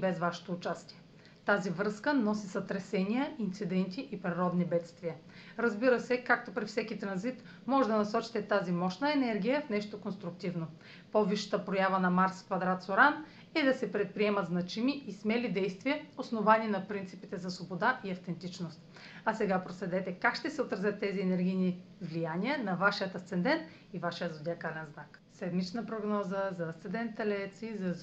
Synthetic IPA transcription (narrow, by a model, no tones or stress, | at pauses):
bɛzvaʃɛ̥t̪oːt͡ʃast̪iɛ | t̪azivɾɤskənɔsisɐt̪ɾɛsɛnʲiəʔint̪sid̪ɛnt̪ʲiʔipɾiɾɔd̪nibɛt̪st̪vijə | ɾəzbiɾəsɛkak̚t̪opɾifsɛkit̪ɾɐnzit̪ | mɔʒɛd̪ɐnɐsɔt͡ʃi̥t̪ɛt̪azimɔʃnəɛnɛɾɡʲijəfnɛʃt̪okonst̪ɾʊk̚t̪ivno | poviʃə̥t̪əpɾojavənɐmaɾskvɐd̪ɾat̪soɾan | ɛd̪ɐsɛpɾɛt̪̚pɾiɛmɐt̪znɐt͡ʃimiʔismɛlid̪ɛjst̪viəosnovaninɐpɾint̪sipit̪ɛzɐsvobod̪aʔiɐft̪ɛnt̪it͡ʃnost̪ | ɐsɛɡapɾoslɛd̪ɛt̪ɛkakʃt̪ɛsɛot̪ɾɐzʲət̪ːɛziɛnɛɾɡʲijnivlijaniənɐvaʃiət̪ɐst̪ɛnd̪ɛnt̪ | ivaʃijəzod̪ʲakalɛnznak | sɛd̪mit͡ʃnəpɾoɡnɔzəzɐːst̪sɛnd̪ɛnt̪ɛlɛt̪sizɐ